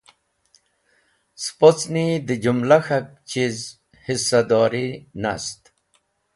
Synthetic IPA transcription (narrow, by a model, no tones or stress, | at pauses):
spot͡snid̪əd͡ʑumlaxak̚t͡ɕiz | hisad̪ɔːɾina̰st̪